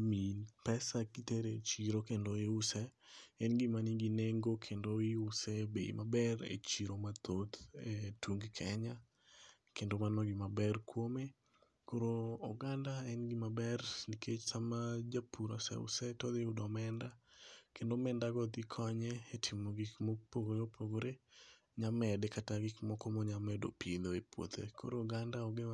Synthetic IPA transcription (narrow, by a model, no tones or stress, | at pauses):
milpɛsakiteɾet͡ʃiɾokendoiusɛɛnɡimaniɡineŋɡokʰendoɪusɛbeḭmabɛrḛt͡ʃiɾomat̪ʰot̪etʰuŋɡkʰɛɲa | kʰendomanɔɡimabɛrkwome | koɾoːɡandaɛnɡimabɛrniket͡ʃtamad͡ʒapʰuɾɔsɛ̰ʊ̰sɛtɔd̪ɪudɔmɛndakendomɛndaɡɔd̪ikʰɔɲɛetʰɪmoɡikmopoɡoɾopʰoɡoɾe | ɲamɛdɛkʰataɡɪkmɔkɔmɔɲamɛdo̰pʰiloepwo̰t̪ḛkʰo̰ɾooɡandaɔɡe